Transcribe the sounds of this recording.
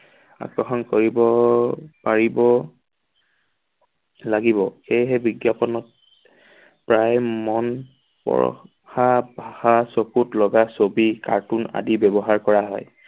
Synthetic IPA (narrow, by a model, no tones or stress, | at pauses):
a̰kɹɔxɔnkoɹibɔ | paɹibɔ | laɡibɔxejɦɛbiɡjapɔnɔt̚ | pɹajmɔn | pɔ̰ɹ̰ | xabʱahasokutlɔɡasobika̰ɹtuna̰dibɛbɔɦaɹkɔɹaɦɔj